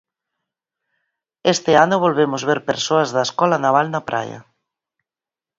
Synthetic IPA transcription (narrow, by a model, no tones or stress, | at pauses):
est̪ɪanʊβolβemʊzβeɾpeɾsoazðaeskɔlanaβalnapɾʔa̰jɐ̰